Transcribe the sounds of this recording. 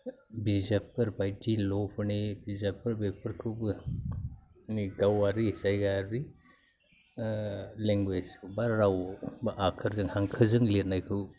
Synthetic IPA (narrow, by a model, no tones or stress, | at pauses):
bizapɯɾbajdilɔpʰɯnibizapːɯɾbepʰɯɾkʰɯwbɯ | niɡawaɾisajɡaɾi | leŋɡwed͡ʒbaɾɾawbɯʔakʰɯɾzɯŋhaŋkʰɯzɯŋleɾnajkʰɯw